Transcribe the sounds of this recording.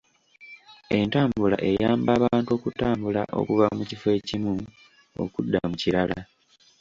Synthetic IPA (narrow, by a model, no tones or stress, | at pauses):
e̞ntaːmbula̰ʔe̞jaːmbaːβaːntuo̞ːkutaːmbula̰ʔo̞̰kuvamucifwe̞ːcimu | o̰kudːamuciɾala